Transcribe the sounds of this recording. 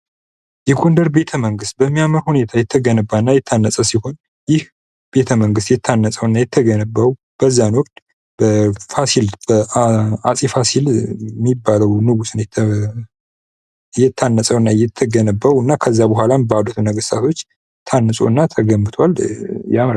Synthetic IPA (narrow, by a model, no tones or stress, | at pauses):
jɛɡond̪əɾbe̞t̪ʰəməŋɡɨst̪̚bəmːijaməɾhune̞t̪ʰajɛt̪ʰːəɡənəbːanːajɛt̪ʰːanːəsʼəsiho̞n | jɪh | b̥e̞t̪ʰəməŋɡɨst̪jɛt̪ʰːanːəsʼəwnːajɛt̪ʰːəɡənəbːəw | b̥əzːanwɔkd̪ʼ | b̥əfasilbəasʼifasilmːibːaləwnɨɡusɨnjɛ | jɛt̪ʰːanːəsʼəwɨnːajɛt̪ʰːəɡənəbːəwɨnːakʰəzːabəɦʷalambəadut̪ʰunəɡəst̪ʰat̪ʰo̞t͡ʃː | t̪ʰanːɨsʼo̰ɨnːat̪ʰəɡəmːɨt̪ʰwaljamɾ